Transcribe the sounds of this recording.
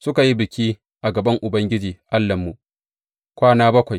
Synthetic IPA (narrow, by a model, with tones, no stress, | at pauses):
sʊ˦ka˨ji˦bɪ˨kʲiː˦ | ʔa˨ɡɐ˨bɐ˦ŋʔʊ˨bɐ˦ŋɡʲɪ˦d͡ʒiː˨ʔa˦lːɐ˨mːu˨ʔ | kʷaː˦naː˦bɐ˦kʷa˨j